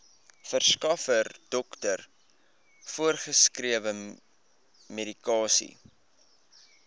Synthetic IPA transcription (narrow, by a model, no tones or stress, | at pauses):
fərskɐfərd̥ɔktər | fuərχəskriəvə | medikɑːsḭ